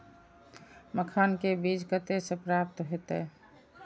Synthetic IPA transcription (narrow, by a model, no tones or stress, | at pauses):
məkʰankebid͡ʒɡət̪esepɾap̚t̪ɦot̪e